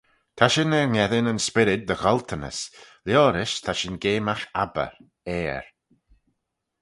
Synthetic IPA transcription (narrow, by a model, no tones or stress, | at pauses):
t̪ʰaʃɪnɛɹŋɛðɪnənspɪɾɪt̪̚d̪əxɔlt̪ʰənə̰sljoːɾɪʃt̪ʰaʃɪnɡeːmaxabə̰ɾ | ɛːɹ